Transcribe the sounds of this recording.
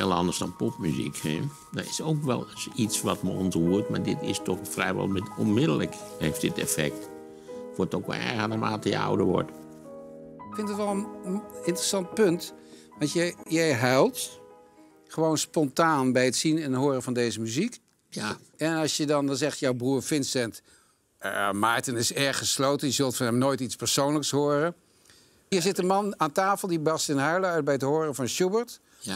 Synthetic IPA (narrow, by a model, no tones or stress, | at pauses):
ḛlˠəɑ̰ndəɹsdɑnpɔpmyzḭkhḛ | dɔ̰ɪsoːkʋɛ̰lˠsisʋɑtməɔ̰ntuətma̰ːɹdɪtɪ̰stɔxfrɛjʋɔ̰lˠmɛtɔnmɪdələkheːft̚dɪtɛ̰fɛ̰k̚t | foətokʋɔ̰nɛ̰ɣənəma̰ːtəjə̰a̰wdəʋɔ̰ɹt | ɪkfɪndɑtʋɛlˠənɪntrəsɑnt̚pɵnt | ʋɑtjɛjɛjɦœlˠt | χəʋownspɔntaːnbɛjətsinɛnɦoːrəvɑndejzəmyzik | ɛnɑsjədɑndɑzɛχtjɔwbruːɹfɪnsɛnt | maːɹtɪnɪsɛɹχəslowtənjəzɵlˠtfɔnɦɛmnoːjtispəɹsownləkshoːərə | ɦiːɹzɪtənmɑnaːntaːfəlˠdibɑstɪnɦaɹləœɥt̚bɛjətɦoːrəfɑnʃubəɹt